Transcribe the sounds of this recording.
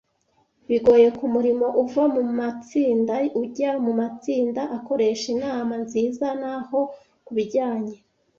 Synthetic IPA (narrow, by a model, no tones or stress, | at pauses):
βiɡo̞ːje̞kumuɾimo̞ʔuvamumat͡siːndauɟamumat͡siːndaʔako̞ɾe̞ʃinaːmanziːzanaho̞ | kuβiɟaːɲe